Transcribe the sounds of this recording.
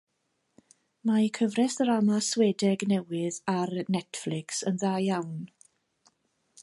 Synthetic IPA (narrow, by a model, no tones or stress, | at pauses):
maikʰəvrɛsɾamaswɛːdɛɡnɛwɪðarnɛtflɪksənðajjawn